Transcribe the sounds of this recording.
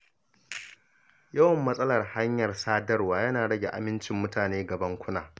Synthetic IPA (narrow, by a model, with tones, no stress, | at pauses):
jɐ˦wɐ˨mːɐ˦sʼɐ˦lɐ˨rha˦ɲjɐ˨rsaː˦dɐ˦rwaː˦jɐ˦naː˨ɽɐ˦ɡʲe˨ʔa̰˨mɪ˦nt͡ʃɪ˨mːʊ˦taː˨neː˦ɡɐ˨bɐ˦ŋkʷʊ˦naː˨